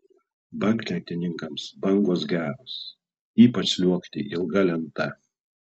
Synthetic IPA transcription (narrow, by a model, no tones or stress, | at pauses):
bɐŋkʲlʲɛt̪ʲɪnʲɪŋkɐmsbɐŋɡoːs̬ɡʲæːɾoːs | iːpɐt͡ʃlʲuɔkt̪ʲɪʔɪlˠɡɐlʲɛnt̪ɐ